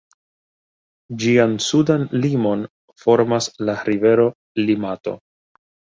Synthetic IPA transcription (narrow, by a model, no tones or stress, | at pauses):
d͡ʒiansudanlimo̞n | fo̞ɾmaslaɾive̞ɾo̞ | limato̞̰